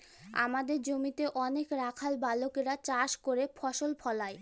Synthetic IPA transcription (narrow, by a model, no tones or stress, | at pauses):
a̰mad̪eɾd͡ʑomit̪eʔɔnekɾakʰalbalokeɾat͡ɕaʃkoɾefʰɔʃolpʰɔlae